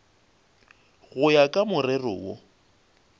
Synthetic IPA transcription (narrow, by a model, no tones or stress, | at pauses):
ɣʊjakʼamʊrɛrʊ̰wo̰